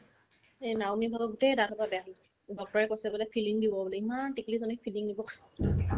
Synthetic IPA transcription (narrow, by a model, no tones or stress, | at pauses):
enawnibʱabɔɡutɛdatʰɔtabɛal | dɔk̚tɔɹɛkojsɛbɔlɛpʰiliŋdibɔbɔlɛimantiklizɔnɛpʰiliŋdibɔka